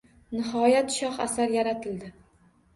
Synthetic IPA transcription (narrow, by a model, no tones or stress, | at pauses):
nɪɦɒjat̪ʃɒχa̰saɾjaɾat̪ʰɪld̪ɪ